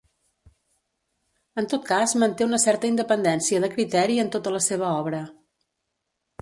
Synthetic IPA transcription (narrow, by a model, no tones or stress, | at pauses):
ənt̪ot̪̚kazmənt̪eunəsɛrt̪əind̪əpənd̪ɛnsiəðəkɾit̪ɛɾiənt̪ot̪ələseβ̞əɔβ̞ɾə